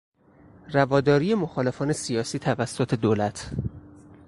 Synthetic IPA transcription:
rævɒːd̪ɒːɾiːje̞moxɒːle̞fɒːne̞sijɒːsiːt̪ʰævæsːot̪ʰe̞d̪oːlæt̪ʰ

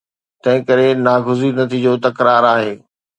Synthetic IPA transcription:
t̪ɐ̃ɦɪ̃kɐɾenaːɡʱʊzinɐt̪ʰid͡ʑoːt̪ɐkɾaːɾaːɦeː

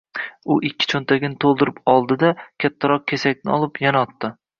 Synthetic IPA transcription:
ʊʔɪkʲːɪ̥t͡ʃʰont̪ʰaɡʲɪnɪt̪ʰolˠd̪ɪɾɪpɒlˠd̪ɪd̪akʲʰat̪ʰːaɾɒq̚kʲʰesakʲnɪɒlˠɪpjanaɒt̪ːɪ

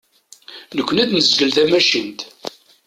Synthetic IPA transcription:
nəkʷːənæd̪nəzɡəlθæmæʃint̪

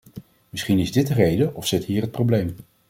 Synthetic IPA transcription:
mɪsχinɪzdɪt̚dərejdəʔɔfsɪtɦiːɹət̚prowblejm

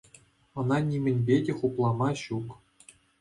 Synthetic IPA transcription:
ɤ̆nɑnʲimʲɘ̆nʲbʲedʲĕχuplˠɑmɑɕuk

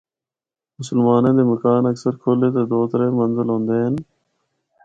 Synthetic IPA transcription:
mʊsəlmaːnẽːd̪eːməkaːnəksəɾkʰoːleːt̪eːd̪oːt̪əɾẽːmənzəlɦõːnd̪eːɦən

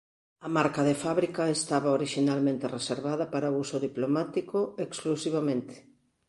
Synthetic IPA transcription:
ɐmaɾkɐðefaβɾikɐest̪aβaoɾiʃinalmẽnt̪ereseɾβaðɐpaɾaousoðiplomat̪ikoeksklusiβamẽnt̪ɪ̥

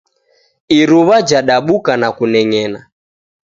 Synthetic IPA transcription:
iɾuβad͡ʒaɗaɓukanakunɛŋɛna

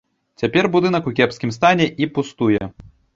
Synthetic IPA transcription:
t͡sʲapʲɛrbud̪ɨnɐkukʲɛpskʲimst̪anʲɛʔipust̪ujɛ

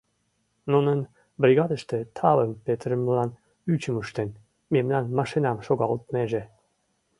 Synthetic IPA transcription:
nunən | bɾʲiɣɑd̪əʃt̪ĕt̪ʰɑβəmpet̪ɾəmlɑn | yt͡ɕəmuʃt̪en | memnɑnmɑʃinɑmʃoɣɑult̪meʒe

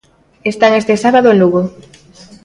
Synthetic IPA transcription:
est̪aŋest̪esaβaðoenuɣo

